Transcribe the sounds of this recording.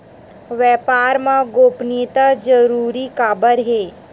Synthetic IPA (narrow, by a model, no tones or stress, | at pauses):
ʋɛːpaːɾmãɡoːpnit̪ad͡ʒəɾuːɾikaːbəɾɦeː